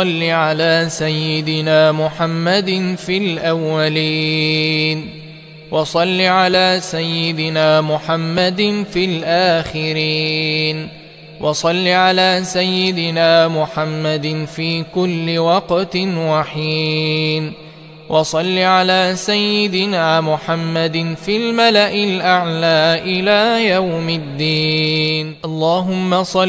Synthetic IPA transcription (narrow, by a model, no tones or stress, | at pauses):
ɑlːiʕalaːsajːɪd̪ɪnaːmʊħamːad̪nfilʔawːaliː | n | wɑsˤɑlːiʕalaːsajːɪd̪ɪnaːmʊħamːad̪nfilʔaːxɪɾiːn | wʔɑsˤɑlːiʕalaːsajːɪd̪ɪnaːmʊħamːad̪ɪnfiːkʊlːɪwɑqt̪nwaħiːn | wʔɑsˤɑlːiʕalaːsajːɪd̪ɪnaːmʊħamːad̪ɪnfilmalaʔɪlʔaʕlaːʔɪlaːjawmɪd̪ːiːnʔɑlˤːɑːɦʊmːasˤɑ